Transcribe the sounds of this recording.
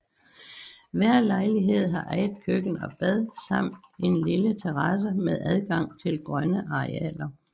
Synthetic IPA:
ʋæɐ̰lɑ̈ɪliɦe̝ð̞̰ˠɦɑ̈ʔæɪð̩ˠkʰøɡ̥n̩ɒ̽b̥æð̞ˠsɑ̈m̰d̥e̝nlilət͡sʰeʁɑ̈s̬əmeðˠʔæð̞ˠɡ̥ɑ̈ŋ̰t͡sʰe̝lɡ̥ʁɶnəʔɑ̈ʁeɛ̰ːlɐ

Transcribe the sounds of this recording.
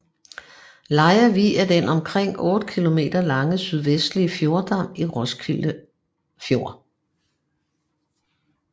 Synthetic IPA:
lɑ̈ɪɐʋḭːæd̥enʔɒ̽mkʰʁeŋ̰ɔ̽ːd̥əkʰilo̝me̝̰ːd̥ɐlɑ̈ŋəsyð̞ˠʋesd̥liəfjo̝ɐd̥ɑ̈m̰iʁɔ̽skʰilə | fjo̝ɐ̰

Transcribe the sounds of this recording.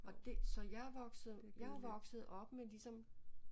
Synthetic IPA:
ɒ̽d̥e̝sɒ̽jɑ̈ʋɒɡ̥sð̩ˠjɑ̈æʋɒ̽ɡ̥sð̩ˠʔɒ̽b̥melisɒ̽m

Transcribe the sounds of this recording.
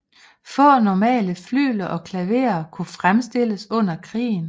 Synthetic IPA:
fɒ̰̽ːnɒmɛ̰ːləfly̰ːlɐʔɒ̽kʰlæʋe̝̰ːɐkʰufʁamsd̥e̝l̰əsɔ̽n̰ɐkʰʁḭːn̩

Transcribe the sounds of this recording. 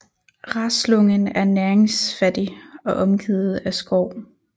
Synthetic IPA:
ʁɑ̈slɔŋənæɐnæɐeŋsfæd̥iɒ̽ʔɒ̽mɡ̥ið̩ˠæsɡ̥ɒʊ̰

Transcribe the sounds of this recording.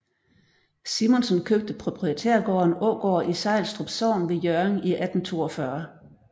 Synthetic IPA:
simɔnsɔnkʰøb̥̚d̥əpʰʁo̝pʰʁiet͡sʰeɐ̰ɡ̥ɒːnɔːɡ̥ɒ̰ːɐʔisɑ̈ɪlsd̥ʁɔb̥sɒʊnʋe̝jøɐŋiʔæd̥n̩t͡sʰo̝̰ːɒfɶɐ

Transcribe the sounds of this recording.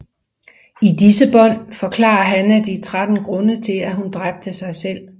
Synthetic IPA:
id̥isəb̥ɒ̽n̰fɒ̽kʰlɑ̰̈ɐɦænæd̥it͡sʰʁad̥n̩ɡ̥ʁɔ̽nət͡sʰe̝læɦund̥ʁab̥̚d̥əsɑ̈ɪsel̰

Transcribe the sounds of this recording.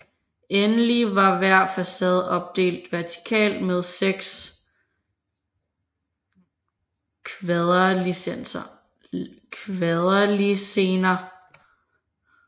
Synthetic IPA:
enəliʋɑ̈ʋæɐ̰fæsɛð̞ˠɒ̽b̥̚d̥e̝̰ːld̥ʋæɐt͡sʰi̥kʰɛ̰ːld̥með̞ˠseɡ̥s | kʰðˠɐlisensɐ | kʰʋeðˠɐlise̝ːnɐ

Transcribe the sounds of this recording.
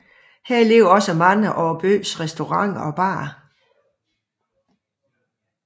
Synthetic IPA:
heɐ̰le̝ʊɒ̽səmɑnɐʔɒːb̥ø̰ːsʁɛsd̥o̝ʁɑ̈ŋ̰ɒ̽b̥ɑ̰̈ː

